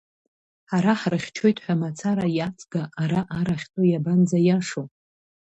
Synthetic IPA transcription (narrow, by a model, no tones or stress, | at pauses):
aɾaħrɨχʲt͡ʃʰo̞jtʼħʷᶣamat͡sʰaɾajat͡sʰʼɡaʔːɾaʔaɾaχʲtʼojaband͡zajaʂo